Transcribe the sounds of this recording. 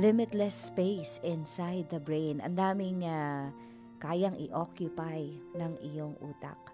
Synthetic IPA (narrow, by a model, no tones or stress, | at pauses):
lɪmɪt̪lɛspejsɪnsajd̪̚ːɐbɹejnɐ̰nd̪aːmɪŋa | kaːjaŋʔɪ̰ʔokjʊpajnɐŋʔɪjoŋʔṵːt̪a̰k̚